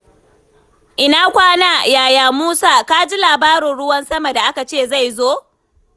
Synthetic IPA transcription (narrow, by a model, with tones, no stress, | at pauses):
ʔɪ˨na˦kʷaː˦naː˦˨jaː˨jaː˨muː˦saː˦ka˦d͡ʒi˦laː˨baː˦ɾɪ˨nɽʊ˦wɐ˦nsɐ˦ma˨da˨ʔa˦ka˨t͡ʃeː˦˨za˦˨jzoː˦